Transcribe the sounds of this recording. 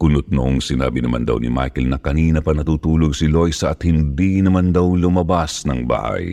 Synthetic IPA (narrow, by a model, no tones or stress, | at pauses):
kʊnʊt̪̚noʔoŋsɪna̰ːbinɐma̰nd̪ɐ̰wnɪ̰ma̰jkɛlnɐkɐniːnɐpɐnɐt̪uːt̪uːloɡsɪlo̞jsɐʔɐt̪hɪnd̪inɐmand̪ɐwŋlʊmɐbasnɐŋba̰ːha̰j